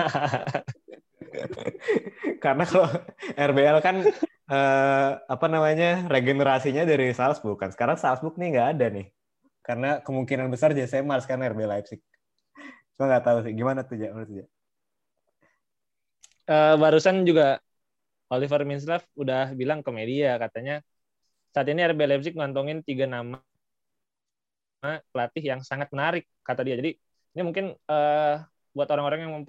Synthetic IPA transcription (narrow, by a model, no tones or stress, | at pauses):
kaɾənakaloɛrbeɛlkan | əːapanamaɲareɡenəɾasiɲadaɾisalsbukːansə̥kaɾaŋsalsbʊk̚nɪŋɡaːdanɪh | kaɾənakəmuŋkinanbəsard͡ʒasajamaɾuskanɛrbeɛlaipsɪ | t͡ʃumaŋɡat̪aus̬ɪɡimanat̪ud͡ʒamaɾt̪ud͡ʒa | əbaɾusand͡ʒuɡa | olifərmins̬lafudahbilaŋkomediakat̪aɲa | saat̪iniɛrbelajp̚s̬ɪk̚ŋant̪ɔŋɪnt̪iɡanam | apəlat̪ɪɦjaŋsaŋat̪̚mənaɾɪk̚ːat̪adiad͡ʒadi | nimuŋkɪnəː | buat̪oɾaŋoɾaŋjaŋməmp